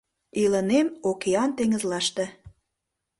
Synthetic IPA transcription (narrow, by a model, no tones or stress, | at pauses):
ilənemokeɑnt̪eŋə̆zlɑʃt̪ĕ